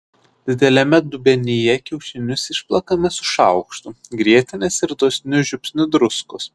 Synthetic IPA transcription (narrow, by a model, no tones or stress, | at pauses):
d̪ʲɪd̪ʲɛlʲɛmʲɛd̪ʊbʲɛnʲɪjɛkʲɛʊʃʲɪnʲʊsɪʃplˠɐkɐmʲɛsʊ̥ʃɑʊkʃt̪ʊɡɾʲiɛt̪ʲɪnʲɛsɪɾd̪oɔsʲnʲʊʒʲʊpʲsʲnʲʊd̪ɾʊskʊs